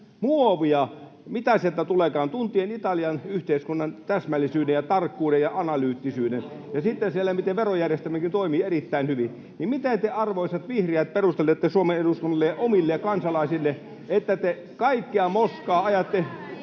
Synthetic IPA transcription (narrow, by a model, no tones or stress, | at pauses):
muoʋiɑ | mit̪æsielt̪æt̪ulekɑːnt̪unt̪ˑienit̪ɑliɑnyht̪eiskunːɑnt̪æsmælːˑisyːdejɑt̪ɑrkːuːdejjɑɑnɑlyːt̪ːisyːden | jɑsit̪ːensielːˑæmit̪eʋʋerojærjest̪æmːækint̪oimiːerit̪ːæˑinhyʋi | nimmit̪et̪eɑrʋoisɑt̪ʋihriæt̪̚perust̪elːet̪ːesuomeneduskunːɑlːejɑʔomilːeɑkɑnsɑlɑisilːe | et̪ːæt̪e | kɑikːiɑmoskɑːɑjɑt̪ːe